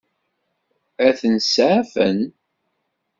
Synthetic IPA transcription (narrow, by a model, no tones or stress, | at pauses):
æθənsʕæfən